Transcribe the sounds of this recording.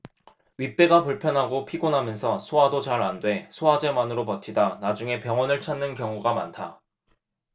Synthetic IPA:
ɥip͈e̞ɡapuɭpʰjʌnɦaɡopʰiɡonɦamjʌnsʰʌsʰoɦadot͡ɕaɾandwe̞sʰoad͡ʑe̞manɯɾopʌtʰidanad͡ʑuŋe̞pjʌŋwʌnɯɭt͡ɕʰanːɯnkjʌŋuɡamantʰa

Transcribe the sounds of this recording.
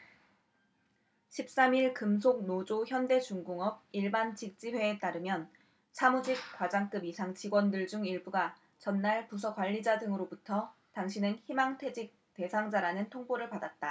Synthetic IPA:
ɕʰip̚s͈amiɭkɯmsʰoɡ̚nod͡ʑoçjʌnde̞t͡ɕuŋɡuŋʌb̚iɭbant͡ɕik̚t͡ɕ͈iɸwe̞ːt͈aɾɯmjʌn | sʰamud͡ʑik̚kwad͡ʑaŋk͈ɯbisʰaŋt͡ɕiɡwʌndɯɭd͡ʑuŋiɭbuɡa | t͡ɕʌnːaɭpus̬ʰʌkwaʎːid͡ʑadɯŋɯɾobutʰʌ | taŋɕʰinɯnçimaŋtʰwe̞d͡ʑik̚te̞sʰaŋd͡ʑaɾanɯntʰoŋboɾɯɭpadat̚t͈a

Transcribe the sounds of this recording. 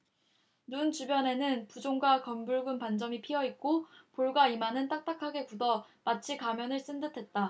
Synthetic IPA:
nunt͡ɕubjʌne̞nɯnpud͡ʑoŋɡwakʌmbuɭɡunpand͡ʑʌmipʰiʌit̚k͈opoɭɡwaimanɯnt͈ak̚t͈akʰaɡe̞kudʌmat͡ɕʰikamjʌnɯɭs͈ɯndɯtʰe̞t̚t͈a

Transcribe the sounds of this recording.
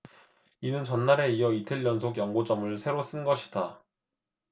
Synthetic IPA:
inɯnt͡ɕʌnːaɾe̞ijʌitʰɯʎːʌnsʰoɡjʌŋɡod͡ʑʌmɯɭsʰe̞ɾos͈ɯnɡʌɕʰi̥da

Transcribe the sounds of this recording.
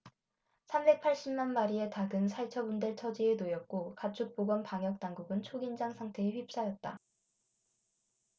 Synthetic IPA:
sʰambe̞k̚pʰaɭɕ͈imːanmaɾie̞taɡɯnsʰaɭt͡ɕʰʌbundɯɭt͡ɕʰʌd͡ʑienojʌt̚k͈okat͡ɕʰuk̚p͈oɡwʌnpaŋjʌk̚t͈aŋɡuɡɯnt͡ɕʰoɡind͡ʑaŋsʰaŋtʰe̞ːɸɥip̚s͈ajʌt̚t͈a

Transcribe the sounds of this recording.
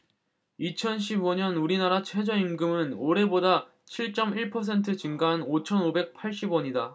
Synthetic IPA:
it͡ɕʰʌnɕ̬ʰiboɲʌnuɾinaɾat͡ɕʰwe̞d͡ʑʌimɡɯmɯnoɾe̞boda | t͡ɕʰiɭt͡ɕ͈ʌmiɭpʰʌs̬ʰe̞ntʰɯt͡ɕɯŋɡaɦnot͡ɕʰʌnobe̞k̚pʰaɭɕ͈ibʌɲida

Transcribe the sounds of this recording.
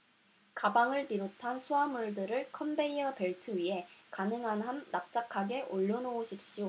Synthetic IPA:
kabaŋɯɭpiɾotʰansʰuamuɭdɯɾɯɭkʰʌmbe̞iʌpe̞ɭtʰɯɥiɦe̞kanɯŋɦanɦanːap̚t͡ɕ͈akʰaɡe̞ʔoʎːonooɕʰip̚ɕ͈io

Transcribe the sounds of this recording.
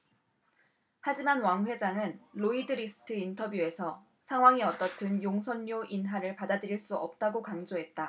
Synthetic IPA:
had͡ʑimanwaŋɸwe̞d͡ʑaŋɯnloidɯɾisʰɯ̥tʰɯintʰʌbjue̞sʰʌ | sʰaŋɦwaŋiʌt͈ʌtʰɯnjoŋsʰʌnːoʔinɦaɾɯɭpadadɯɾiɭs͈uʌp̚t͈aɡokaŋd͡ʑoɦe̞t̚t͈a

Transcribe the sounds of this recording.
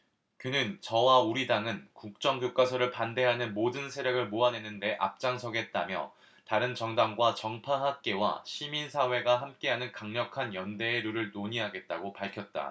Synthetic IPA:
kɯnɯnt͡ɕʌwauɾidaŋɯnkuk̚t͡ɕ͈ʌŋɡjok͈asʰʌɾɯɭpande̞ɦanɯnmodɯnsʰe̞ɾjʌɡɯɭmoane̞nɯnde̞ʔa̰p̚t͡ɕ͈aŋsʰʌɡe̞t̚t͈amjʌ̰ | taɾɯnt͡ɕʌŋdamɡwat͡ɕʌŋpʰaɦak̚k͈e̞wa̰ɕʰiminsʰawe̞ɡaɦamk͈e̞ɦanɯnkaŋɲʌkʰanjʌnde̞ːɾuɾɯɭnoɲiɦaɡe̞t̚t͈aɡopaɭkʰjʌt̚t͈a̰

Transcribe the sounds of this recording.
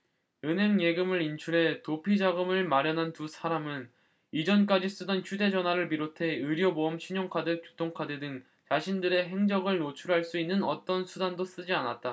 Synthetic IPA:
ɯnɦe̞ŋje̞ɡɯmɯɾint͡ɕʰuɾe̞topʰid͡ʑaɡɯmɯɭmaɾjʌnɦantusʰaɾamɯn | id͡ʑʌnk͈ad͡ʑis͈ɯdʌnt͡ɕʰude̞d͡ʑʌnwaɾɯɭp̬iɾotʰe̞ɯɾjʌboɯmɕʰiɲoŋkʰadɯkkjotʰoŋkʰadedɯŋ | t͡ɕaɕʰindɯɾe̞ɦe̞ŋd͡ʑʌɡɯɭnot͡ɕʰuɾɦaɭs͈uinːɯnʌt͈ʌnsʰudandos͈ɯd͡ʑianat̚t͈a

